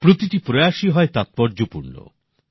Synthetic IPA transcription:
pɾot̪iʈipɾojaʃiɦɔet̪at̪̚pɔɾd͡ʑopuɾno̰

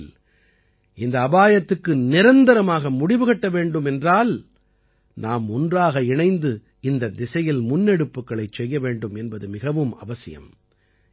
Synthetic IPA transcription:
l | ɪnd̪ɐːbaːjɐt̪ːɯkːɯnɪɾɐnd̪ɐɾɐmaːɣɐmʊɽɪʋɯɣɐʈːɐʋeːɳɖɯmɛndraːl | naːmʊndraːɣɐɪɳɐɪnd̪ɯ | ɪnd̪ɐd̪ɪsɐjɪlmʊnːɛɽɯpːɯkːɐɭɐɪt͡ʃsɛjːɐʋeːɳɖɯmɛnbɐðɯmɪɣɐʋɯmɐ̰ʋɐsɪjɐ̰m

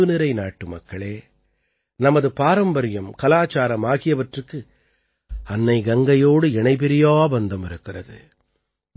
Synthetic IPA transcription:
ɯnɪɾɐɪnaːʈːɯmɐ̰kːɐɭeː | nɐmɐðɯpaːɾɐmbɐɾɪjɐmkɐlaːt͡ʃaːɾɐmaːɣɪjɐʋɐʈrɯkːɯ | ɐnːɐɪɡɐŋɡɐjoːɽɯɛɳɐɪpɛɾɪjaːbɐnd̪ɐmɪɾɯkːɪrɐ̰ðɯ̰

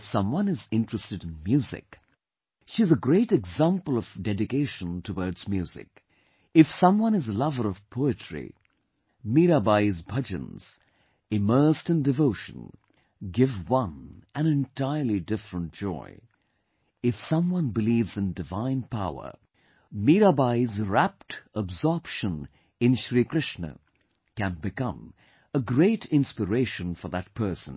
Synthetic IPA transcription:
fsʌ̃mwʌ̃nɨzɪ̃ntɹ̥ɨstɨɾɨ̃n̩mjʉzɪ̰k | ʃizəɡɾeɪʈɨɡzæ̃mpəl̩ˠʌv̥dɛdɨkeɪʃə̃ntʰəwɔɹdz̥mjʉːzɪ̰k | ɨfsʌ̃mwʌ̃nɨzəlʌvə˞ʌv̥pʰoʊɨtʰɹ̥ḭ | miɾabaɪzbʰʌd͡ʒɨ̰̃nz̥ | ɪmɜ˞stɨ̃ndɨvoʊʃə̰̃n | ɡɪvwʌ̃nʔɨ̃nɨ̃ntʰaɪə˞lˠidɪfɹə̃nt̚d̥ʒ̥ɔ̰ɪ | ɨfsʌ̃mwʌ̃nbɨlivzɨ̃ndɨvãɪ̃npʰaʊə̰˞ | miɾabaɪzɹæp̚təbzɔɹpʃə̃n | ɨ̃nʃɹikɹ̥ɪʃnə̰ | kæ̃nbɨkʌ̃m | əɡɹeɪɾɪ̃nspəɹeɪʃɨ̃nfə˞ðət̚pʰɜ˞sə̃n

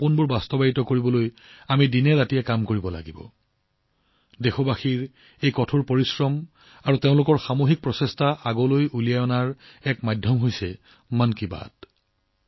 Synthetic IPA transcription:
punbʊɹbastɔbajitɔkoɹibɔloj | amidinɛɹatijɛkamkoɹibɔla̰ɡibɔ̰ | dexɔbaxiɹ | ejkɔtʰuɹpoɹisɹɔm | aɹuteʊ̃lʊkɔɹxamoɦik̚pɹɔsestʰaʔaɡɔlojʔulijajɔnaɹ | ɛkmajdʱːɔmɦojsɛ | mankiba̰d

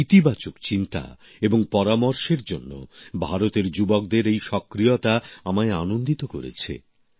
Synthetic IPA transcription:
it̪ibat͡ɕokt͡ɕint̪a̰ | eboŋpɔɾamoɾʃeɾd͡ʑonːo̰bʱaɾot̪eɾd͡ʑubok̚d̪eɾejʃɔkːɾijot̪aamaeanond̪it̪okoɾḛt͡ɕʰḛ

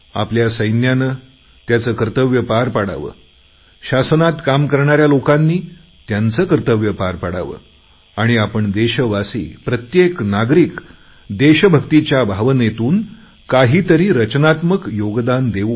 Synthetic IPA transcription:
a̰pljasəjnjanə | t̪jat͡səːkəɾt̪əʋjəpaɾpaɽa̰ʋə̰ː | ɕasnat̪kamkəɾɳaɾjalokanːiː | t̪jant͡səːkəɾt̪əʋjəpaɾpaɽa̰ʋə̰ː | aɽ̃iapəɳd̪eɕəʋasḭːpɾət̪jeknaɡɾiːk | d̪eɕəbʱəkt̪it͡ɕjabʱaʋnet̪uːn | kaɦiːt̪əɾiːɾət͡ɕnat̪məkjoɡd̪and̪eʋu

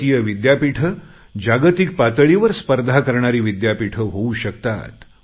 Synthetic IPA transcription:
ijəʋid̪japiʈʰə | d͡ʑaɡət̪ik̚pat̪əɭiʋəɾspəɾd̪ʱakəɾɳaɾiːʋid̪japiʈʰəɦouɕəkt̪a̰t̪

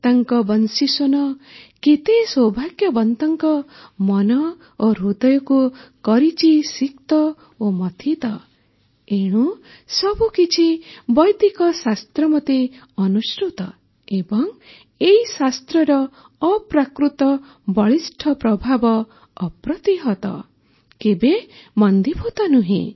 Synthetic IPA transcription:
t̪aŋkɔbʌnsisonɔket̪eswɔbʱaɡjɔbɔnt̪ɔŋkɔmɔnɔ | oɾud̪ʌjɔkukɔɾit͡ʃʰisikt̪ɔ | omɔt̪ʰit̪ɔ | eɽ̃ũ | sʌbukit͡ʃʰibʌjd̪ikɔsast̪ɾɔmɔt̪e | ɔnusʈɾut̪ɔ | ebɔŋ | eɦisast̪ɾɔɾɔː | pɾakɾut̪ɔ | bɔɭisʈʰɔpɾɔbʱabɔː | pɾɔt̪iɦɔt̪ɔ̰ | kebemɔnd̪ibʰʱut̪ɔnuɦḭ̃

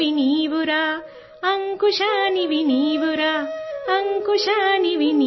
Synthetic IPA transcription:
iniːʋuɾa | ɐŋkuʃaniʋiniːʋuɾaɐŋkuʂaniʋini

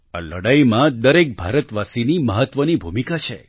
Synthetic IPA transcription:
a̰ləɽaimãd̪əɾek̚bʱaɾət̪ʋasiniməɦət̪ʋənibʱumikat͡ʃʰḛ

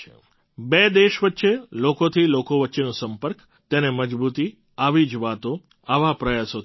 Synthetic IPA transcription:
bed̪eʃʋətːʃelokot̪ʰilokoʋətːʃenũsəmpəɾk | t̪eneməd͡ʒbut̪i | aʋid͡ʒʋat̪o | aʋapɾəjaso

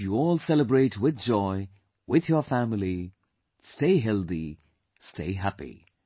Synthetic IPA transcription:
juɔːlˠsɛləbɹeɪʈʰwɪd̪d͡ʒɔɪ | wɪðjəfæmɪli | steɪɦɛld̪i | stʰeɪɦæpḭ

